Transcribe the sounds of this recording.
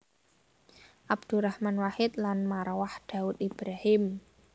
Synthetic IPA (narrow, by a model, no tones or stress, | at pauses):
ʔabd̪̥uɾahmanwahɪt̪̚lanmaɾawahd̪̥a̤ʊt̪̚ib̥ɾahɪm